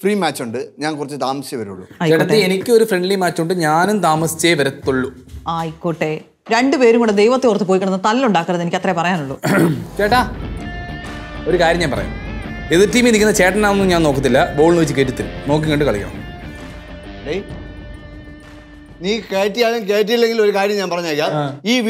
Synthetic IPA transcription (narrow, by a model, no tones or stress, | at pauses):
friːmaːt͡ɕːuɳɖɨɲaːnkurɐt͡ɕːɨt̪aːmɐsjɐʋɐɾṵɭːṵeɖɐt̪ːeenikʲːɨo̞ɾufreɳɖlimaːt͡ɕːuɳɖɨɲaːnumt̪aːmɐsi̥t͡ɕːeːjʋɐɾɐt̪ːuɭːu | aːjikːoːʈːe | ɾe̞ɳɖɨpe̞ːɾumŋkuɳɖed̪ejʋɐt̪ːekurɐt̪ːɨpoːjkɐɳɐnːɐt̪ɐlluɳɖaːkːɐrɐðenikʲːɐt̪rɐjepɐrɐjaːnuɭːṵːt͡ɕeːʈːaː | o̞ɾukaːɾjɐmɲaːnpɐrɐ̰ja̰meðitːiːminikʲːunːɐt͡ɕe̞ːʈːɐnaːunːɲaːnoːkːɐt̪ːilːɐbo̞ːɭnuit͡ɕːɨkeːʈːit̪ːil̰no̞ːkːiŋːoɳɖɨkɐɭikːɐ̰ːɐ̰ | lej | niːkeːʈːijaːɣɐnkeːʈ̬ːijilːeŋɡilo̞ɾukaːɾjɐmɲaːnpɐrɐɲːaːijaːlːiː